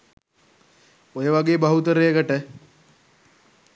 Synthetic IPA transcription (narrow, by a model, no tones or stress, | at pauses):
ojəʋaɡeːbaɦut̪əɾejəkəʈə